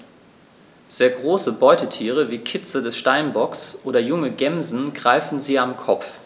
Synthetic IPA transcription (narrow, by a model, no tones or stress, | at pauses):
z̥eːɐɡʁoːsəbɔʏtətʰiːʁ̞əviːkʰɪt͡sədɛsʃtaɪnbɔksʔoːdɐjʊŋəɡɛmzn̩ɡʁaɪfn̩ziːamkʰɔpp͡f